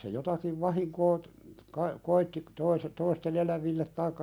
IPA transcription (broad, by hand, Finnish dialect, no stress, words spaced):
se jotɑkiʋ ʋɑhiŋkoː kɑi koitːi toise toisten elæʋilːet tɑikːɑ